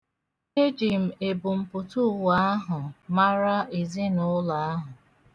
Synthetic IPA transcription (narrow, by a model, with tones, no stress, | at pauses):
e˦d͡ʒi˨m̩˨e˨bʊ˨m̩˨pʊ˨tu˦˨wa˦a˦ɦʊ˨ma˦ɾa˦i˨zɪ˦nʊ˦la˨a˦ɦʊ˨